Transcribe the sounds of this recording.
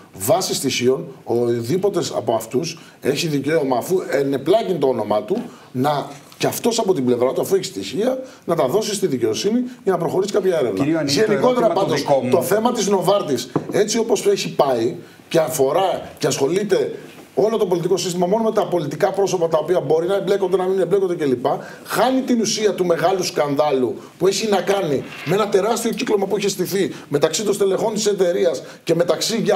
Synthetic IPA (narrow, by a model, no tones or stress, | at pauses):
vɐsist̪içio̞noðipo̞t̪e̞sɐ̰poɐft̪us | e̞çiðice̞omɐːfuene̞plɐcint̪oono̞mɐt̪u | nɐ | ceɐft̪o̞sɐpo̞t̪imble̞vɾɐt̪uɐfueçi̥st̪içiɐ | nɐt̪ɐðo̞sist̪iðice̞o̞siniʝɐnɐpɾo̞xo̞ɾiskɐpçɐe̞ɾe̞vnɐeniko̞t̪eɾɐpɐnd̪ostt̪o̞θe̞mɐt̪iznovɐɾt̪ise̞t͡sio̞po̞seçipɐi | ce̞ɐfo̞ɾɐceɐsxo̞lit̪e̞ | o̞lo̞t̪o̞po̞lit̪iko̞sist̪imɐmo̞no̞me̞t̪ɐpo̞lit̪ikɐpɾo̞so̞pɐt̪ɐopiɐbo̞ɾinɐeble̞kond̪e̞nɐmineble̞kod̪ece̞lipɐ | xɐnit̪inusiɐt̪ume̞ɣɐluskɐnðɐlupue̞çinɐkɐni | mee̞nɐt̪e̞ɾɐst̪io̞ciklomɐpueçest̪iθime̞t̪ɐksit̪onst̪ele̞xo̞nt̪i̥se̞t̪e̞ɾiɐs | ce̞me̞t̪ɐksiʝ